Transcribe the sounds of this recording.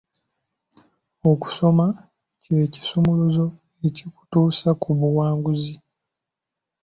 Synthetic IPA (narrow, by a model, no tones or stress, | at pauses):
oku̥so̞ma | ceci̥sumuluzo̞ | eciku̥tuːsakuβuwaːŋɡuzi